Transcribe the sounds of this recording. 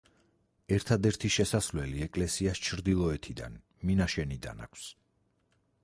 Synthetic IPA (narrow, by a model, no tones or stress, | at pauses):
ɛɾt̪ʰad̪ɛɾt̪ʰiʃɛsasvlɛliɛkʼlɛsiast͡ʃʰɾd̪ilˠɔɛt̪ʰid̪a̰n | minaʃɛnid̪a̰na̰kʷʰs